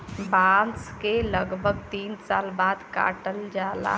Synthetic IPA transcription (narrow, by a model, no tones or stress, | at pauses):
bãːnskeləɡbʱəɡt̪iːnsaːlbaːd̪ka̰ːʈəld͡ʒaːla̰